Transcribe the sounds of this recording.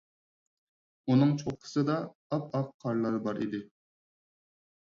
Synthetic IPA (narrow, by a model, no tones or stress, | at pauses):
unɨŋt͡ʃʰoχqʰə̥sɨd̪ɑɑp̚ɑqʰːɑɾlˠɑɾbɑɾḭd̪ɪ